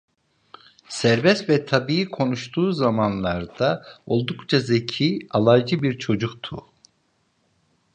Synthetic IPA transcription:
sæɾbɛst̪vɛt̪ʰabiikʰo̞nuʃt̪ʰuːzamanlˠaɾd̪ao̞lˠd̪ukt͡ʃʰazecʰiːalˠajd͡ʒɯbiɾt͡ʃʰo̞d͡ʒukt̪ʰṵ

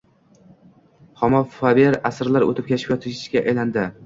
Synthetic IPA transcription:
χɒmɒfabeɾasɾlaɾo̰t̪ʰɪp̚kʲʰet͡ʃʰɪ̥pʲjɒt̪ʰɪʃɪʃkʲaʔajland̪ɪ

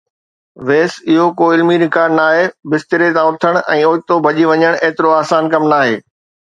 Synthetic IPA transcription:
ʋeːsɪɦokoːɪlmiɾɪkaːɾnaːɦebɪst̪ɪɾet̪ãʊt̪ʰəɽ̃ʔɛ̃ːoːt̪obʱɐʄiʋɐɲəɽ̃eːt̪ɪɾoaːsaːnkɐmnaːɦeː

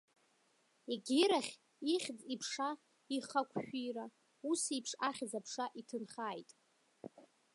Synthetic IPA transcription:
eɡʲɪɾaχʲ | iχʲd͡zʼipʰʂa | iχakʷʰʃᶣiɾa | usipʰʂaχʲd͡zapʰʂaʔitʰɨnχaːjtʼ

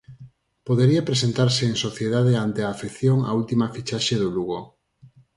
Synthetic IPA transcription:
poðeɾiapɾes̬ent̪aɾseeŋsoθjeðaðeant̪eaːfiθjoŋa̰ult̪imɐfit͡ʃaʃeðʊluɣo

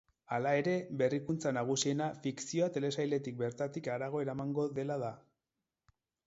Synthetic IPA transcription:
alae̞ɾe̞be̞rikunt͡sanaɣ̞usie̞nafiksio̞at̪e̞le̞sajld̪e̞t̪ik̚be̞ɾt̪at̪ikaɾaɣ̞o̞e̞ɾamaŋɡo̞ðe̞lað̞a

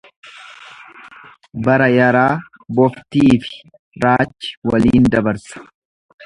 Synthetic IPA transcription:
bɐɾɐjɐɾaː | bɔft̪iːfɪ̥ | ɾaːt͡ʃːɪ̥wɐliːnd̪ɐbɐɾsɐ̥

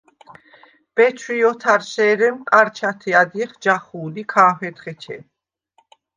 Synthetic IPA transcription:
b̥ɛt͡ʃʰwiɔt̪ʰaɾʃɛːɾɛmkʼaɾt͡ʃʰat̪ʰɛad̪iχd͡ʒaχuːlikʰaːfɛt̪χɛt͡ʃʰɛ̰

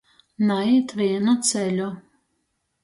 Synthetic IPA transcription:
nait̪viɛnat̪sɛlʲu

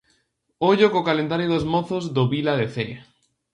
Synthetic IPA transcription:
oʎokokalend̪aɾjoðozmoθozðoβilaðeθe

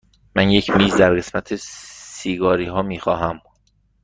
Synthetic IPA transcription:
mænje̞cʰmiːzd̪æɾɢe̞smæt̪ʰesiːɡɒːɾiːɦɒːmiːxɒːɦæm

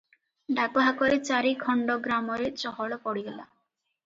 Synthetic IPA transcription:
ɖakɔɦakɔɾet͡ʃaɾikʰɔɳɖɔɡɾamɔɾet͡ʃɔɦɔɭɔpɔɽiɡɔla

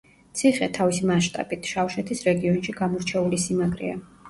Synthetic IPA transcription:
t̪sʰiχɛt̪ʰavisimaʃt̪ʼa̰b̥it̪ʰʃafʃɛt̪ʰisɾɛɡiɔnʃiɡamɔɾt͡ʃʰɛulisimaɡʼɾḭa̰

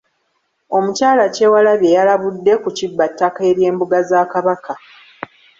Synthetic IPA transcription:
o̞mucaːlace̞ːwalaβje̞jalaβudːe̞kucibːatːake̞ːɾje̞ːmbuɡazaːkaβaka

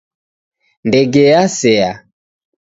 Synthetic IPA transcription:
ndɛɡɛasɛa

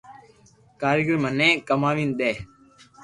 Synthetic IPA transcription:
kaːɾɪːɡəɾmənẽːkəmaːʋĩːnɗ̪eː

